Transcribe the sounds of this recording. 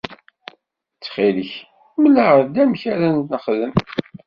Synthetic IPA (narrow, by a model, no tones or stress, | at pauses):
t͡sːχiləç | məlæʁəɾd̪æmçæɾænt̪nəχðəm